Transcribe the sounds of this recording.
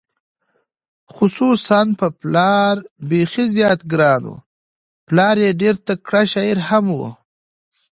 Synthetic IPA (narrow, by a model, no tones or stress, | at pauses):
xʊsusanpəplɑɾbexizjɑːt̪ɡɾɑːnṵ | plɑːɾjeɖeɾt̪akɽaʃɑiɾhamwṵ